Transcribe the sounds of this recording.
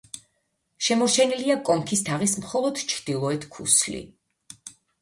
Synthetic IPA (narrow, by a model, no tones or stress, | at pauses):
ʃɛmɔɾt͡ʃʰɛniliakʼɔmkʰist̪ʰaʁismχɔlˠɔd̪̥t͡ʃʰɾd̪̥ilˠɔɛt̪ʰkʰṵslḭ